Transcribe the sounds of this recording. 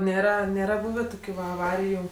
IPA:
ˈnʲeːrɐ ˈnʲeːrɐ ˈbuːʋʲeː ˈtoːkʲʊ ʋɐ ɐˈʋɑːrʲɪjʊ

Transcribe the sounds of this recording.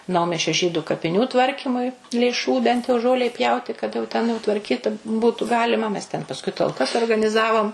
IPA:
ˈnɐʊmʲiɛsʲt͡ʃʲoː ˈʒʲiːdʊ kɐpʲɪˈnʲuː ˈtʋɐrʲkʲiːmʊɪ lʲeːˈʃuː bʲɛnt jɛʊ ˈʒoːlʲɛɪ ˈpʲjɛʊtʲɪ kɐt jɛʊ tʲɛn jɛʊ tʋɐrʲˈkʲiːt ˈbuːtʊ ˈɡɑːlʲɪmɐ mʲɛs tʲɛn pɐsˈkʊɪ tɐlˠˈkɐs oːrɡɐnʲɪˈzɑːʋoːm

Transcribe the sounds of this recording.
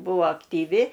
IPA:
ˈbuɔ ɐktʲiːˈʋʲɪ

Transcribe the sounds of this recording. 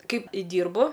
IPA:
ˈkɐɪp ˈdʲiːrbʊ

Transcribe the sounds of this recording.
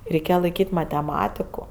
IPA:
rʲɛɪˈkʲeːjɛ lˠɐɪˈkʲiːtʲ mɐtʲɛˈmɑːtʲɪkʊ

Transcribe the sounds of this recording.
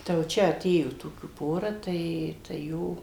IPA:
tɐɪ jɛʊ ˈt͡ʃʲɛ ɐˈtʲeːjoː ˈtoːkʲuː ˈpoːrɐ ˈtɐɪ tɐɪ ˈjoː

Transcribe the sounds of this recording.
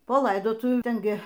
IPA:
poː ˈlˠɐɪdoːtʊʋʲuː ˈtʲɛn ˈɡʲɪ

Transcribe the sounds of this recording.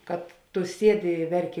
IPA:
kɐt ˈtʊ ˈsʲiɛdʲɪ ɪ ˈʋʲɛrʲˌkʲɪ

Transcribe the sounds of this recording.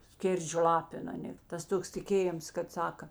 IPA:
ˈsʲkʲeːrʲd͡ʒʲoː ˈlˠɑːpʲɪn ɐˈnʲeː tɐs ˈtoːks tʲɪˈkʲeːjɪms kɐt ˈsɑːkɐ

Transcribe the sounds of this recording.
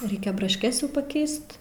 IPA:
ˈrʲɛɪkʲɛ brɐʃʲˈkʲɛs jɛʊ pɐˈkʲɛɪst

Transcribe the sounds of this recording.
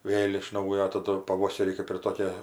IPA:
ˈʋʲeːlˠ ɪʃ ˈnɐʊjoː tɐˈdʊ pɐˈʋoːsʲɛrʲiː kɜp ɪr ˈtoːkʲeː

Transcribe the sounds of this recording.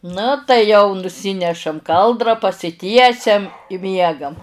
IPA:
ˈnʊ tɐɪ jɛʊ nʊˈsʲiːnʲɛʃɐm ˈkɐlˠdrɐ pɐsʲɪˈtʲiɛsʲɛm ɪ ˈmʲiɛɡɐm

